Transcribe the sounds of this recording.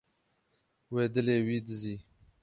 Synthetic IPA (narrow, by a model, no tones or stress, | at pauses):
weːd̪əleːwiːd̪əziː